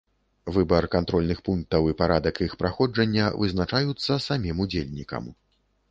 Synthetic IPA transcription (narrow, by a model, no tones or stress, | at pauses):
vɨbɐrkant̪ɾɔlʲnɨxpunk̚t̪ɐwipaɾad̪ɐkixpɾaxɔd͡ʐɐnʲːɐvɨ̰znat͡ʂajut̪sːɐsamʲimud͡zʲelʲnʲikɐ̰m